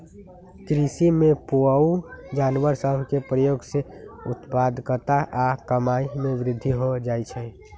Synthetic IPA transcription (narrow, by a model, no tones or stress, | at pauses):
kɾisimẽpoəud͡ʒaːnʋəɾsəbʱkepɾəjoːɡseʊt̪pad̪ʱkət̪aʔakəmaimẽʋɾɪd̪ʱːiɦod͡ʒait͡ʃʰɛ